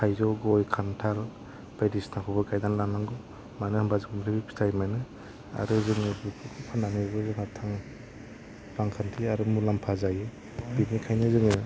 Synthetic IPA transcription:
kʰajzɔɡɔjkʰantʰal | b̥ajdisnakʰɔbɯkʰajdanlamaŋɡɔ | manɯhɯmbazɯŋmɾɯbipʰi̥tʰajmanɯ | a̰ɾɯzɯŋɯbɯkʰukʰupʰananɯbɯzɯŋatʰaŋ | b̥aŋkʰantʰiaɾɯmulampʰazajɯ | binikʰajnɯzɯŋɯ

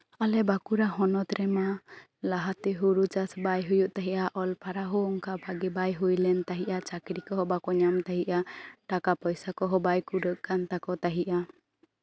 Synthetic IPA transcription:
alɛbakuɾaɦɔnɔt̪ɾɛma | laɦat̪ɛɦuɾut͡ʃasbajɦujuʔt̪aɦiʔaʔɔlpaɾaɦɔɔŋkabaɡɛbajɦujlɛnt̪aɦiʔat͡ʃakɾikɔɦɔbakɔɲamt̪aɦiʔaʈakapɔjsakɔɦɔbajkuɖəʔ̚kant̪akɔt̪aɦiʔa

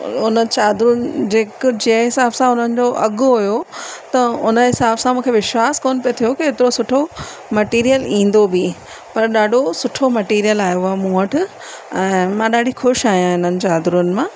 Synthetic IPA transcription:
ʊnət͡ɕaːd̪ɾnd͡ʑeːkd͡ʑiəɦɪsaːbsãʊn̤ənɪ̆d͡ʑoʔɐɠʊɦʊjot̪ɐʊnəɦɪsaːbsãmũːkʰeʋɪʃwaːskoːnɪpijot̪ʰijokeɦet̪ɪɾosʊʈʰo | mɐʈiːɾijəlĩːn̆d̪obi | pɐɾɗaːɖʱosʊʈʰomɐʈiːɾijəlaːjoaːmũːəʈʰ | ɛ̃ːmãɗaːɖʱixʊʃaːɦijãɪn̤ənɪ̆t͡ɕaːd̪ɾuʊnɪ̆mãː

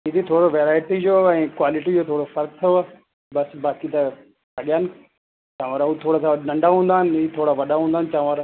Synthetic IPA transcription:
id̪it̪ʰoːɽoʋeːɾaːɪʈid͡ʑoːɛ̃ːkwaːlɪʈid͡ʑoːt̪ʰoːɽofɐɾk̚t̪ʰjoa | bɐsbaːkit̪ɐ | ɐɠijaːnɪ̆ | t͡ɕãːʋaːɾaut̪ʰoːɽasãɗɐ̃ɳɖaɦũːnd̪aːɦɪnɪ̆ɪt̪ʰoːɽaʋɐɗaɦũːnd̪aːnt͡ɕãːʋaːɾ

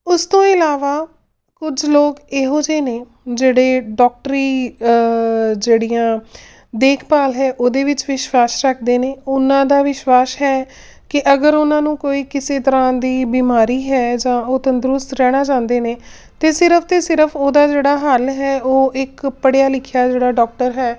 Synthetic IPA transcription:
ʊst̪õːɪlaːʋaː | kʊd͡ʒloːkeːɦoːd͡ʒeːneː | d͡ʒeːɽeːɖɔːk̚ʈəɾiː | d͡ʒeːɽiːãː | d̪eːkʰpaːlɦɛːʔoːd̪eːʋɪt͡ʃʋɪʃwaːsɾəkʰd̪eːneːʊnãːd̪aːʋɪʃwaːsɦɛː | kɪʔəɡəɾʊnãːnũːkoːiːkɪseːt̪əɾãːd̪iːbiːmaːɾiːɦɛːd͡ʒãːoːt̪ə̃nd̪ɾʊst̪ɾɛːɽ̃aːd͡ʒãːnd̪eːneː | t̪eːsɪɾəpʰt̪eːsɪɾəpʰoːd̪aːd͡ʒeːɽaːɦəlɦɛːʔoːʔɪkpəɽjaːlɪkʰjaːd͡ʒeːɽaːɖɔːk̚ʈəɾɦɛː

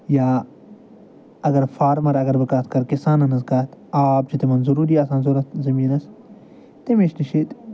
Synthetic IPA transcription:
jaː | ɐɡɐɾfaːɾmɐɾɐɡɐɾbɐkaːt̪ʰkɐɾkisaːnɐnɐzɡaːt̪aːp̚d͡ʒit̪imɐnzɐɾuːɾiːaːsaːnzoɾɐt̪zɐmiːnɐs | t̪imeʃniʃit̪

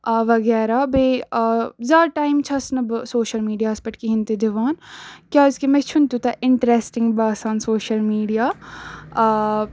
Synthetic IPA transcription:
ʋɐɡɛːɾabeː | zaːʈaːimt͡ʃʰɐsnɐbsoːʃɐlmiːɖijaːspɐʈkiɦint̪ed̪ɪʋaːnkʲjaːɪskemet͡ʃʰʊnt̪ut̪aʔɪɳʈɾeːsʈɪ̃ŋɡbaːsaːnsoːʃɐlmiːɖijaː

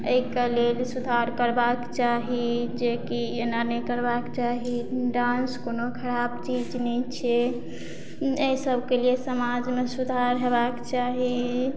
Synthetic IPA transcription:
əikelelsud̪ʱaɾkəɾbakt͡ʃaɦid͡ʒekienanəjkəɾbakt͡ʃaɦiɖãnskonokʰəɾabt͡ʃid͡ʒnɛt͡ʃʰe | eisəbʱkeliesəmad͡ʒmesud̪ʱaɾɦebakt͡ʃaɦi

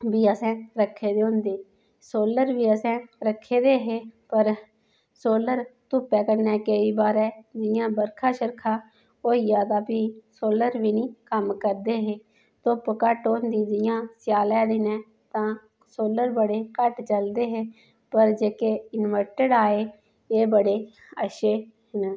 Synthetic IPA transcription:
biːəsɛ̃ːɾəkʰːeːd̪eːõʊ̃ːnd̪eː | soːləɾʋiːəsɛ̃ːɾəkʰːeːd̪eːɦeːpəɾ | soːləɾt̪ʊpɛːkəɾnɛːkəiːbaːɾɛːd͡ʒɪjãːbəɾkʰãːʃəɾkʰaː | oːiːaːt̪aːpiːsoːləɾʋiːnĩːkəmkəɾd̪eːɦeː | t̪ʊpkəʈoːnd̪iːd̪ɪjãːsɪjaːlɛːd̪ɪnɛ̃ː | t̪ãː | soːləɾbəɽeːkəʈt͡ʃəld̪eːɦeː | pəɾd͡ʒeːkeːɪnʋəɾʈəɖaːeː | eːbəɽeː | əʃeː | ɦɪn

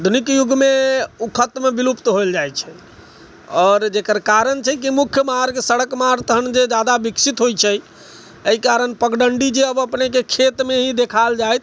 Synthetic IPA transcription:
d̪ʱunikjuɡʱmeukʰət̪mebilupt̪ɦoeld͡ʒajt͡ʃʰɛ | ɔːɾd͡ʒekəɾkaɾənt͡ʃʰɛk̬imukʰjəmaɾkesəɽəkmaɾt̪əɦənd͡ʒed͡ʒad̪abiksit̪ɦojt͡ʃʰɛ | əikaɾənpəɡɖəɳɖid͡ʒeəbəpnek̬ekʰet̪meɦid̪ekʰald͡ʒajt̪

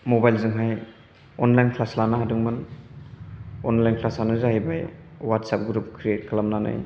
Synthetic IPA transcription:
mobajlzɯŋɦaj | ɔnlajnkʰlaslanaɦadɯŋmɯn | ɔnlajnkʰlasanazahajbajwatsap̚ɡɾup̚kʰɾiet̚kʰalamnana̰j

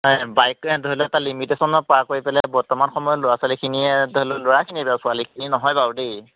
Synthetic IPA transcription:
bajkɛdɔɦlɛɛtalimitesɔnɔpɔakoɹipɛlɛbɔɹtɔmanxɔmɔjɔlʊɹasalikʰiniɛdɦlɔloɹakʰinibɛasʊalikʰininɔɦɔjbadej

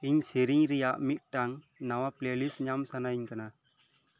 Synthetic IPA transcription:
iɲsiɾiŋɾɛjaʔmit̪̚ˀʈaŋ | nawaplelisɲamsanajiɲkana

